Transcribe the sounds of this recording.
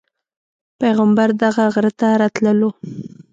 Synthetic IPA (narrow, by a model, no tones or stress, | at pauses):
pejɣambaɾd̪aɣaɣɾət̪aɾɑt̪ləlo